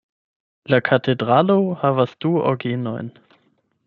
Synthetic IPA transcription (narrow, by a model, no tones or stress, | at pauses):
lakʰatʰedʁalohavasd̥uo̰ɡeno̰jn